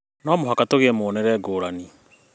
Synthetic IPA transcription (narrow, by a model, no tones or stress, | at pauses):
nɔmoɦakatoɣeɛmoːnɛɾɛɡoːɾani